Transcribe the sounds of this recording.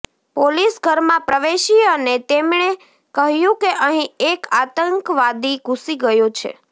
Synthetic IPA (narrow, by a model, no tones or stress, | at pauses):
polisɡʱəɾmãpɾəʋeʃiənet̪emɳe | kəɦjũkeʔəɦĩekat̪əŋkʋad̪iɡʱũsiɡəjot͡ʃʰḛ